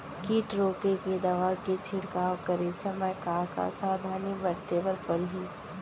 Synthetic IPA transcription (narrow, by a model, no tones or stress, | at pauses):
kiːʈɾoːkeked̪ɐʋaket͡ʃʰɪɽkaːwkəɾesɐməjkaːɾka̰saːd̪ʱaːnibəɾt̪ebəɾpɐɽɦiː